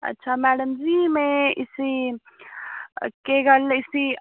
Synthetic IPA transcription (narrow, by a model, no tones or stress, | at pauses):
ɐ̰tːʃʰamɛːɖəmd͡ʒimẽɪsi | keɡɐlɪsi